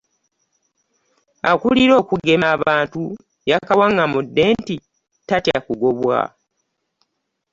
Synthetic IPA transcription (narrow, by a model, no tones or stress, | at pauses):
akuliɾo̞ːkuɡe̞maβaːntu | jakawaŋɡamudːeːnti | tatja̰kuɡo̞βwa̰